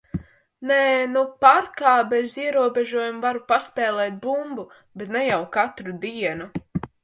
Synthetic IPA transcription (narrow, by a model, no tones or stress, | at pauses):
nɛːnupaɾkaːbeziɛɾuɔbeʒuɔjumvaɾupaspɛːlˠɛːt̪̚bumbu | bɛt̪nɛjawkat̪ɾud̪iɛnu